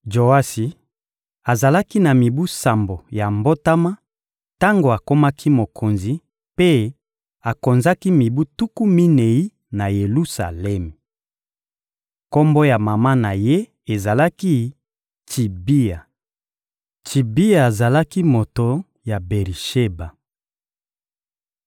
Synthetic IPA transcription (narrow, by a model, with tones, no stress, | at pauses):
d͡ʒo˨a˦si˨ | a˨za˨la˦ki˦na˨mi˨bu˦sa˨mbo˨ja˨mbo˦ta˦ma˦ | ta˦ŋɡo˨a˨ko˦ma˦kʰi˦mo˨kʰo˨nzi˨ | pe˦ | a˨ko˨nza˦ki˦mi˨bu˦tu˦ku˦mi˦ne˨i˦ | na˨je˨lu˦sa̰˨lɛ˦m˨ | ko˦mbo˦ja˨ma˨ma˦na˨je˦ | e˨za˨la˦ki˦ | ti˨bi˦a˨ | tʰi˨bi˦a˨e˨za˨la˦ki˦mo˨to˨ | ja˨be˨ʁi˨ʃe˦ba˨